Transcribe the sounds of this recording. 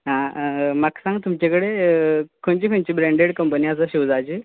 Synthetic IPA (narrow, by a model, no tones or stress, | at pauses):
ɦãməksãŋɡt̪umt͡ɕekəɽekʰont͡ɕiːkʰont͡ɕiːbɾẽɳɖeɽkəmpəniat͡səɕiʋd͡zajt͡ɕi